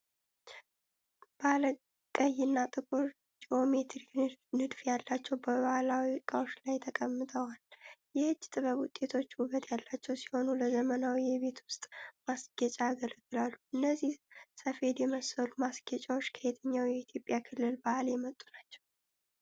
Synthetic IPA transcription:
b̥alə | kʼəjːɨnːat̪ʼɨkʼuɾ | d͡ʒio̞me̞t̪ɾiknɨd̪fjalːat͡ʃːɛwbəβahalawikʼawot͡ʃːlajt̪ʰəkʼəmːɨt̪ʰəwaljɛhɨd͡ʒːt̪ʼɨβəβwʊt̪ʼe̞t̪ʰo̞t͡ʃːuβət̪ʰjalːat͡ʃːɛwsi̥ho̞nuləzəmənawijɛβe̞t̪wʊst̪ʼmasɡɛt͡ʃʼaɡəlɡɨlalːuʔɨnːəzːihsəfe̞d̪jɛməsəlumasɡ̥ɛt͡ʃʼawo̞t͡ʃːkʰəhet̪ʰəɲːawjɛit̪ʰjo̞pʼjakʰɨlːɨlbahaljɛmət̪ʼːunat͡ʃːɛw

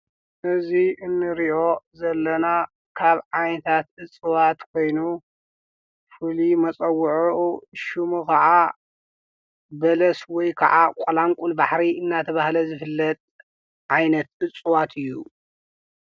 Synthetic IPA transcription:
ʔɨziɨnːɨɾiʔo̞zɐlːɐna | kʰaβʕajnɐt̪ʰat̪̚ʔɨt͡sʼːɨwat̪kʰo̞jnu | fɨlimɐt͡sʼɐwʊʕuʔuʃumukʰaʕa | bɐlɐswɔjkʰa̰ʕakʼɐlamkʼulbaħɾiɨnːat̪ʰɐβahlɐzɨfɨlːɐt̪ʼ | ʕajnɐt̪̚ʔɨt͡sʼːuwat̪ʰɨjːu

